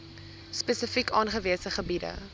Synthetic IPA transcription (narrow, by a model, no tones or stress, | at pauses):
spɛsəfikɑːnχəviəsəχəbidə̰